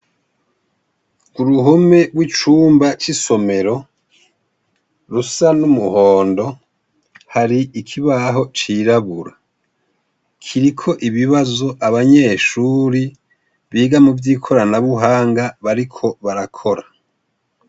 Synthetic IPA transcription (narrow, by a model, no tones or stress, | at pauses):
kuɾuɦome̞bwit͡ʃuːmbat͡ʃiso̞me̞ɾo̞ | ɾusanumuho̞ːndo̞ | haɾiikʰiβaɦo̞t͡ʃiɾaβuɾa | kʰiɾikʰo̞ʔiβiβazo̞ʔaβaɲe̞ʃuːɾi | βiːɡamuvjiːkʰo̞ɾanaβuɦaːŋɡaβaɾikʰo̞βaɾakʰo̞ɾa